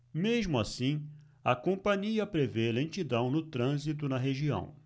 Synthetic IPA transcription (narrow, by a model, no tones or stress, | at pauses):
mezmʊasĩ | ɐkõpɐ̃ɲiɐpɾevelẽnt͡ʃid̪ɐ̃w̃nʊt̪ɾɐ̃zit̪ʊnɐɦeʒiɐ̰̃w̃